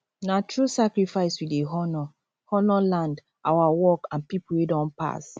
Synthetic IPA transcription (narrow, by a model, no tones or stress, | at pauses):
natʰɹusakɹifaɪswideɦɔnɔ | hɔnɔlãnd | ʔawawɔkãnpipuwɛdɔ̃npa̰s